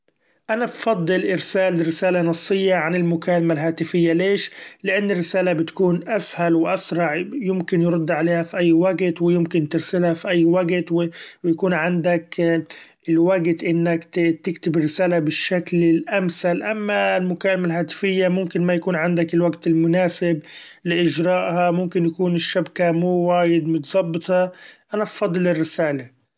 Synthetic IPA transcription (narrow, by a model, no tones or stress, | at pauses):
ʔanabfɑd̪ˤːɨlʔɪɾsaːlɪrːɪsaːlanɑsˤːɨjːaʕanɪlmʊkaːlamalɦaːt̪ɪfɪjːaleːʃlɪʔanːɪrːɪsaːlabɪt̪kuːnʔashalwɪʔasɾˤɑʕjʊmkɪnjɾˤʊd̪ːʕaleːhafiʔajːwaɡt̪wɪjɪmkɪnt̪ɪɾsɪlhafiʔajːwaɡt̪wɪwjakuːnʕand̪ak | ɪlwaɡt̪ʔɪnːakt̪ɪkt̪ɪbɪrːɪsaːlabɪʃːaklɪlʔamsalʔamːalmʊkaːlmalɦaːt̪ɪ̥fɪjːamʊmkɪnmajakuːnʕand̪akɪlwaɡt̪ɪlmʊnaːsɪb | lɪʔɪd͡ʒɾˤɑːʔhamʊmkɪnjakuːnɪʃːabkamuːwaːjɪd̪mʊt̪zˤɑbːt̪ˤɑʔanabfɑd̪ˤlɪrːɪsaːla